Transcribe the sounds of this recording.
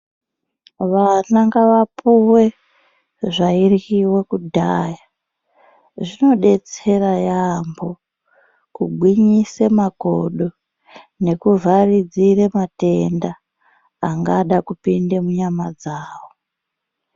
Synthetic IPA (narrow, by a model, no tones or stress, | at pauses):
ʋanaŋɡaʋapuwe̞ | ʐairɣiwekudʱaːja | ʐino̞ɗe̞t͡se̞rajambo | kuɡʱwiɲisemaɡʱo̰ɗo̞ | ne̞kuvarid͡ziremate̞ndaː | ŋɡaɗakupindemuɲamad͡zaːwo